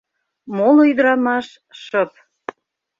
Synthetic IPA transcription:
molojyd̪əɾɑmɑʃ | ʃəp̚

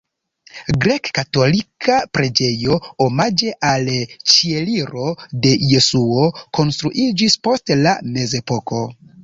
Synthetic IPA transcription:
ɡɾe̞kːato̞likʰapɾe̞d͡ʒe̞jo̞omad͡ʒe̞ʔalt͡ʃie̞liɾo̞de̞je̞suoko̞nstɾuʔid͡ʒispo̞stla̰me̞ze̞po̞ko̞

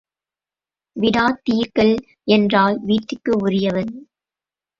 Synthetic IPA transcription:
ʋɪɽaːt̪iːɾkɐl | ʔɛndraːlʋiːʈːɪkːɯʊrɪjɐʋɐn

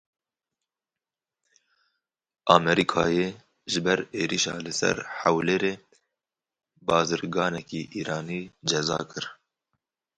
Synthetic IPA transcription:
ɑːmɛɾikʰɑ̰ːjeː | ʒɪbɛɾeːɾiʃɑ̰ːlɨsɛ̰ɾhæwleːɾeː | bɑːzɨɾɡɑːnɛkiːʔiːɾɑːniːd͡ʒɛzɑ̰ːkɨɾ

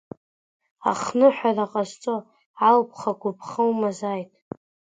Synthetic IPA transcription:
a̰χnɨħʷᶣaraqʼazt͡sʼo | ʕalpʷʰχaɡʷʊpʰχəwmazajtʼ

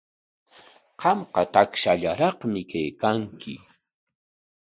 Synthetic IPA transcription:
qɑmqɑt̪akʃaʎaɾɑχmɪkajkaŋkʰɪ

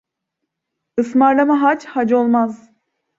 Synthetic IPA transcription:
ɯsmaɾlˠamaɦat͡ʃhad͡ʒo̞lˠmaz

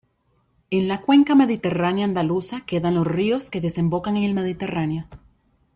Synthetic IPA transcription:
e̞nlakwe̞ŋkame̞ðit̪e̞ranjaːnd̪alusake̞ðanlo̞srio̞ske̞ðe̞se̞mbo̞kaŋe̞ŋe̞lme̞ð̞it̪e̞ranjo̞

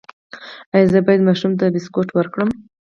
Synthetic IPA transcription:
ajzəbɑjad̪mɑʃumt̪abɪskoʈwəɾkɽəm

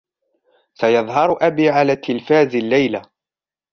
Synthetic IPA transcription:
sajɑðˤɦɑɾˤʊʔabiːʕalaːt̪ʰːɪlfaːzɪlːajla

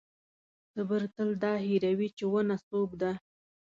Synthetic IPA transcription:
səbəɾt̪əld̪ɑɦiɾawit͡ʃewənasobd̪a

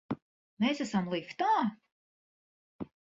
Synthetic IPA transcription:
meːsæsamlˠikt̪aː

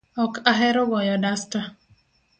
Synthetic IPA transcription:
ɔkʰaɦɛɾʊbɔjɔdasta

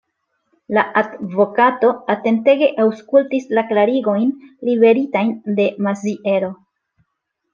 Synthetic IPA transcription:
laʔadvo̞kato̞ate̞nte̞ɡe̞ʔawskultislaklaɾiɡo̞jnlibe̞ɾitajnde̞maziʔe̞ɾo̞

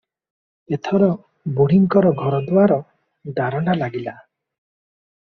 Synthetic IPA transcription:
et̪ʰɔɾɔ | buɽiŋkɔɾɔɡʱɔɾɔd̪waɾɔ | d̪aɾɔɳalaɡila

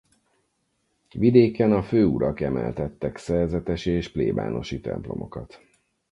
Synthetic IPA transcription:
vid̪eːkɛnɒføːuɾɒkɛmɛlt̪ɛt̪ːɛksɛrzɛt̪ɛʃieːʃpleːba̰ːno̞ʃit̪ɛ̰mplo̞̰mo̞kɒt̪

